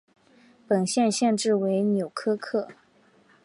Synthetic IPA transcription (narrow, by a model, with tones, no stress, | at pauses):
pə˨˩nɕjɛ˥˧nɕjɛ˥˧nʈ͡ʂɻ̩˥˩we˧˥ɪnjo˨˩ʊkʰɤ˥kʰɤ˥˩